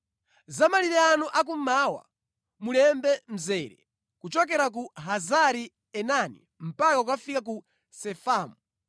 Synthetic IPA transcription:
zamaliɾɛanuʔak̬ummaːwa̰ | mulɛmbɛm̩zɛːɾɛ̰ | kut͡ʃɔk̬ɛɾak̬uɦazaɾi | ɛnanḭ | m̩pakaukafikak̬u | sɛfaːmu

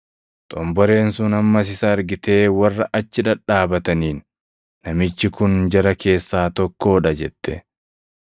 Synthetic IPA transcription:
t̪ʼɔmbɔɾe̞ːnsʊnɐmːɐs̬ɪsɐːɾɡɪt̪e̞ːwɐrːɐʔɐt͡ʃːɪᶑɐᶑaːbɐt̪ɐniːnː | ɐmɪt͡ʃːɪkʊnd͡ʒɐɾɐkʰe̞ːsːaːt̪ɔkːo̞ːᶑɐd͡ʒɛt̪ʰːɛ

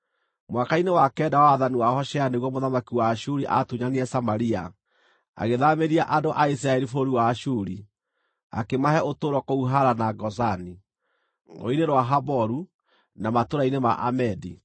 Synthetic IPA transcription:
mwakainewakɛːdawaðaniwahɔʃɛaneɣwɔmoðamakiwaʃuɾiʔa̰tuɲaniɛsamaɾia | a̰ɣeðameɾiaʔadoʔais̬iɾaɛɾifoɾiwaːʃuɾi | a̰kemaɦɛʔotoːɾɔkouɦaɾanaɡɔzani | o̰ineɾwaɦabɔɾu | namatoɾainema̰ʔamɛdi

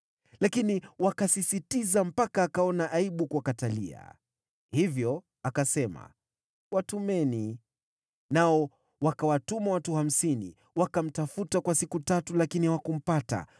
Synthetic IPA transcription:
lakiniwakasisitizam̩pakaːkaɔnaʔaiɓukuakatalḭa̰ | hivjɔ | akasɛma̰ | watumɛni | naɔ | wakawatumawatuham̩sinḭ | wakam̩tafutakwasikutatulakiniwakum̩pata̰

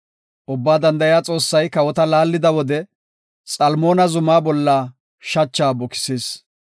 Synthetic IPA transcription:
ʔʊbːaːd̪ɐnd̪ɐjaːt͡sʼo̞ːsːɐjkɐwɔt̪ɐlaːlːɪd̪ɐwɔd̪ɛ | sʼɐlmo̞ːnɐzʊmaːbɔlːaː | ʃɐt͡ʃːaːbɔkɪ̥seːs

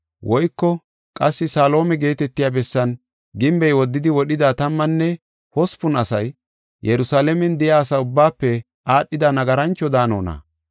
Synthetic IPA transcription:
wʔɔjkːɔ | kʼɐsːɪsaːlo̞ːmɛɡe̞ːt̪ɛt̪ːɪjaːbɛsːɐn | ɡɪmbɛjwɔd̪ːɪd̪ɪwɔɗɪd̪aːt̪ɐmːɐnːɛ | hɔspʊnɐsɐj | jɛɾʊsaːlɛmɛnd̪ɪjaːsɐʊbːaːpːɛ | ʔaːɗːɪd̪ɐnɐɡɐɾɐnt͡ʃːɔd̪aːno̰ːnɐ̰

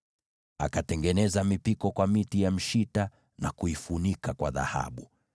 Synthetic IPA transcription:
a̰katɛŋɡɛnɛzamipikɔkwamitijam̩ʃita | nakuifunikakwaða̰ha̰ɓu

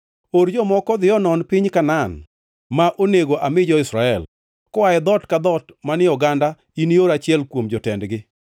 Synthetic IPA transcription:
oɾd͡ʒɔmɔkɔd̪ɪɔnɔnpɪɲkanan | maʔoneɡoʔamɪd͡ʒɔɪsɾaɛl | kɔaɛd̪ɔtkad̪ɔtmanɪɔɡanda | inioɾat͡ʃɪɛlkwomd͡ʒɔtɛndɡɪ

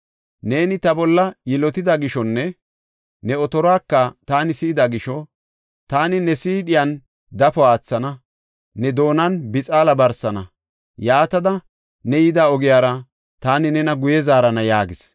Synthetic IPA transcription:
ne̞ːnɪt̪ɐbɔlːɐjɪlɔt̪ɪd̪ɐɡɪʃɔnːɛ | nɛɔt̪ɔɾɔaːkːɐt̪aːnɪsiːd̪ɐɡɪʃɔ | t̪aːnɪnɛsiːᶑɪjɐn | d̪ɐfɔaːt͡sːɐnɐ | nɛd̪o̞ːnɐnbɪt͡sʼaːlɐbɐɾsɐnɐ | jaːt̪ɐd̪ɐ | nɛjɪd̪aːɔɡɪjaːɾɐ | t̪aːnɪnɛnɐɡʊjɛzaːɾɐnɐjaːɡɪs

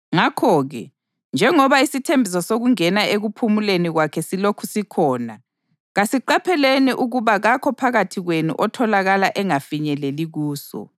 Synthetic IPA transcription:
ŋakʰɔːɣɛ̰ | nd͡ʒʱɛŋɔβaisitʰembʱis̬ɔsoɣuŋɛnaeɣupʰumuleniɣwakʰɛsilokʰusikʰɔːna | ɣasiǃapʰɛleniʔuɣuβaɣakʰɔpʰaɣatʰiɣwenṵʔɔtʰɔlaɣalaʔɛŋafiɲɛleliɣuːsɔ̰

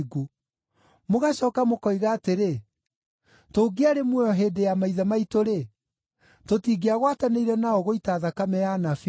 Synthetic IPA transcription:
ɡu | moɣaɕɔːkamokɔiɣaːteɾe | toːɡeaɾemwɔɔɦeːdejamaiðamaitoɾe | totiːɡeaɣwataneiɾɛnaɔɣoitaːðakamɛjanafi

